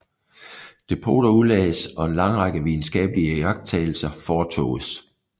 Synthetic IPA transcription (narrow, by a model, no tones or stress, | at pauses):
d̥e̝pʰo̝̰ːɾ̥ɐulɛːsɒ̽e̝nlɑ̈ŋʁɑ̈ɡ̥əʋiðˠn̩sɡ̥ɛ̰ːb̥əliəjɑ̈ɡ̥d̥̚t͡sʰɛ̰ːl̩sɐfɒːt͡sʰɔ̰̽ːs